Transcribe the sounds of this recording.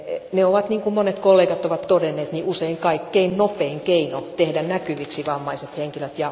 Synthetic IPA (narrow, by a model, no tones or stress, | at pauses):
neoʋɑt̪niːŋkummonet̪kolːeːɡɑt̪oʋɑt̪t̪odenːeːt̪niʔuseiŋkɑikːeinnopeːŋkeinot̪ehdænnækyʋiksiʋɑmːɑiset̪heŋkiløt̪jɑ